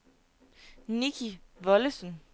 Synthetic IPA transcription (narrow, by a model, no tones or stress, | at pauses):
nikʰiʋɒ̽ləsən